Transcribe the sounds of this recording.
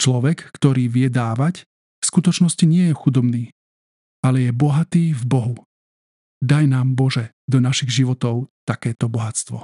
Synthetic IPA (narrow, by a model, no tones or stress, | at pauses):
t͡ʃlɔʋɛkːt̪ɔɾiːʋɪɛd̪aːʋac | fskut̪ɔt͡ʃnɔsciɲɪɛjɛxud̪ɔbniː | alɛjɛbɔɦat̪iːvbɔɦu | d̪ajnaːmbɔʒɛ | d̪ɔnaʃiɣʒiʋɔt̪ɔʊt̪akɛːt̪ɔbɔɦast̪ʋɔ̰